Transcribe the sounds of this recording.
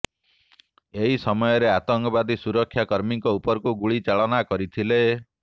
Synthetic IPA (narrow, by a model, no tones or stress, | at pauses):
eɦisɔmɔjɔɾeat̪ɔŋkɔbad̪isuɾɔkʰːjakɔɾmiŋkɔupɔɾkuɡuɭit͡ʃaɭɔnakɔɾit̪ʰile